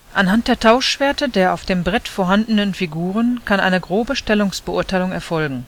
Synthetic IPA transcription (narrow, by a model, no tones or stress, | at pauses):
ʔanɦant̚d̥eːɐtʰaʊʃv̥eːɐtədeːɐʔaʊfd̥eːmbʁɛtfoːɐɦandənənfiɡuːʁ̞ənkʰanʔa̰ɪnəɡʁoːbəʃtɛlʊŋsb̥əʔʊɐtaɪlʊŋɛɐfɔlɡŋ̩